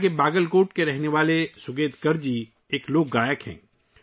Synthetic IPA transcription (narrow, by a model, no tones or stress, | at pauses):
kebaːɡəlkoːʈkeɾɛɦneʋaːlesʊɡeːt̪kɐɾd͡ʒi | eːkloːɡːaːjəkɦɛ̰̃ː